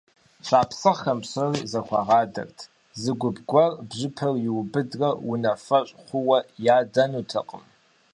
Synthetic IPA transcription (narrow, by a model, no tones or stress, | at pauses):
ɕʰʼaːpsɨʁxɐmsɐriːzɐxʷɑʁɑːdɐ̰rtʰ | zɨɡʷʊbɡʷɔrbʑɪpʰɐrjɪwʊbɨdrɐwʊnɐfɐɕʼχʷʊwɐjaːdɐnutʰɐqʼəm